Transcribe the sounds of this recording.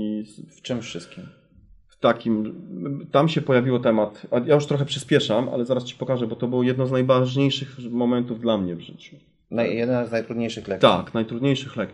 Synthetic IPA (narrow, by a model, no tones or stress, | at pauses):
ift͡ʂɨmfʂɘst̪̚kʲim | ft̪akʲim | t̪amɕɛpɔjavʲiwɔt̪ɛmat̪ajajuʂt̪ɾɔxɛpʂɘspʲjɛʂamʔa̰lɛzaɾast͡ɕi̥pɔkaʐɛbɔt̪ɔbɘwɔjɛd̪nɔ̃znajvaʐɲejʂɘxmɔmɛnt̪uvd̪lamɲɛvʐɘt͡ɕu̥ | najɛd̪naznajt̪ɾud̪ɲejʂɘxlɛkt̪a̰knajt̪ɾud̪ɲejʂɘxlɛk